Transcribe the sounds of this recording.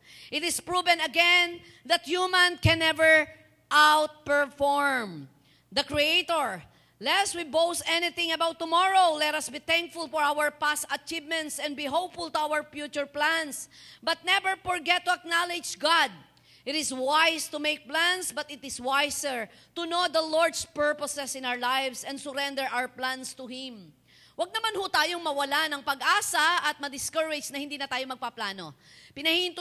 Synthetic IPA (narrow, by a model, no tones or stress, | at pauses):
ʔɪt̪ɪspɹuvɛ̃nt̪ɐɡɛn | ðɐt̪̚jumãnkɛ̃nɛvɛɹ | ʔawt̪̚pɛɹfɔɹm | d̪ɐkɹiejt̪ɔɹ | lɛswibowsɛnɪθɪ̃ŋɐbawt̪ːʊmɔɹowlɛt̪ɐsbit̪æ̃ŋk̚fʊlfɔɹawəɹpasɐt͡ʃivmɛ̃nt̪sɛ̃nd̪biɦoʊpfʊlt̪ʊawəɹfjut͡ʃʊɹplãnsbɐt̪̚nɛbɛɹfɔɹɡɛt̪̚ːʊɐk̚nalɪd͡ʒɡad̪̚ | ʔɪt̪ɪswajst̪ʊmejk̚plãnsbɐt̪ɪt̪ɪswajsɛɹ | t̪ʊnod̪ɐlɔɹd̪spɛɹpɔsɛsɪnawəɹlajvsɛ̃nsʊɾɛ̃nd̪ɛɹʔawəplãnst̪ʊhɪ̃m | wɐɡ̚nɐmanhut̪aːjoŋmɐwɐlanɐŋpɐɡʔaːsɐɐt̪̚mɐd̪ɪskɐɹɛd͡ʒnɐhɪnd̪iːnɐt̪aːjomɐɡ̚pɐplaːno̰ | pɪnɐhiɪ̃nt̪ʊ